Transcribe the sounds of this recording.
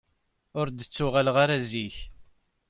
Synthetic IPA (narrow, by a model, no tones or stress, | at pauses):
ʊɾd̪ət͡sːʊʁalʁaɾaziç